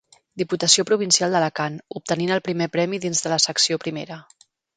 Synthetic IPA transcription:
d̪iput̪əsiopɾuβ̞insialˠd̪ələkanup̚t̪əninəlˠpɾimepɾɛmiðinzðələsəksiopɾimeɾə

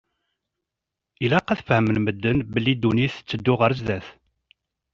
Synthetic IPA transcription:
ilæqːæθfəhəmənməd̪ːənbəlːid̪uniθt͡sːəd̪ːʊʁəɾəzðæθ

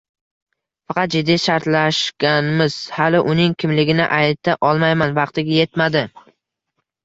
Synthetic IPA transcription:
fɑqʰɑt̪̚d͡ʒɪd̪ːiʃaɾt̪laʃɡʲanmɪz̥halɪʔʊnɪŋkʲʰɪmlɪɡʲɪnɪʔajt̪ʰaʔɒlˠmajmanvɑqt̪ɪɡʲaje̞t̪mad̪ɪ

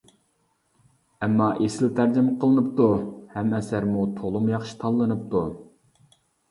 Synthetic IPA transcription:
ɛmːɑʔesɪlt̪ʰæɾd͡ʒɪmqʰəlˠɨnɨpt̪uhɛmɛsæɾmut̪ʰolˠumjɑχʃi̥t̪ʰɑlˠːɨnɨp̚t̪u

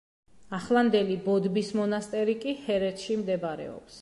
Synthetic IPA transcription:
aχlˠand̪ɛlibɔd̪bismɔnast̪ʼɛɾikʼihɛɾɛt̪ʰʃimd̪ɛbaɾɛ̰ɔ̰ps

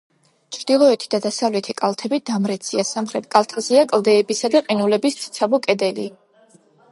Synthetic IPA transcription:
t͡ʃʰɾd̪̥ilˠɔɛt̪ʰi̥d̪̥ad̪asavlɛt̪ʰikʼalˠt̪ʰɛbid̪̥amɾɛt̪sʰiasamχɾɛt̪̚kʼalˠt̪ʰazɛakʼlˠd̪ɛːbisad̪aqʼinulɛbist̪sʰt̪sʰabɔkʼɛd̪ɛli

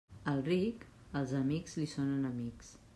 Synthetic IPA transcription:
əlˠrik | əlˠzəmikz̥lisonənəmiks

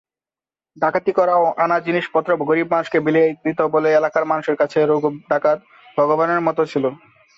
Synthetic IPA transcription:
ɖakʰat̪ikɔɾaoʔanad͡ʑiniʃpɔt̪ːɾobɡoɾib̚maʃkebilied̪it̪oboleelakaɾmanuʃeɾkat͡ɕʰeɾoɡɖakat̪ | bʱɔɡobaneɾmɔt̪ot͡ɕʰilo

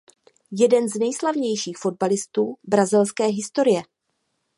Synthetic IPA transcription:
jɛdɛnznɛjslavɲɛjʃiːxfo̞d̚balɪst̪uːbɾazɪlskɛːɦɪst̪o̞ɾɪjɛ

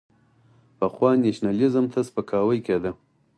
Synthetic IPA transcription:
pəxwɑneʃnalizəmt̪ʰaspəkʰɑwəjked̪a

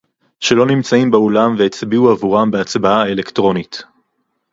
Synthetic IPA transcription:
ʃe̞lo̞nimt͡saimbeolamveet͡sbiuavuʁambeat͡sbaaelektʁo̞nit

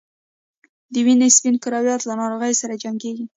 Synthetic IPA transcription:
d̪əwinespinkɪɾɑwjɑt̪lanɑɾoɣəjsaɾad͡ʒaŋɡeɡi

